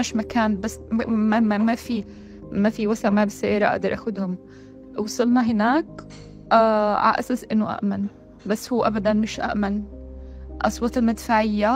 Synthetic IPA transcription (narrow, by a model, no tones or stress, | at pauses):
aʃmakaːnbasmamamafi | mafiwasaʕmabɪsajɑɾˤɑʔa̰ʔd̪ɑɾˤʔaxʊd̪hʊm | wsˤɨlnɑɦɪnaːkː | ʕa̰ʔa̰sasʔɪnːʊʔa̰ʔman | basːhuːʔabad̪anmɪʃʔa̰ʔman | ʔɑsˤwɑt̪ˤɪlmɪd̪faʕɪjːa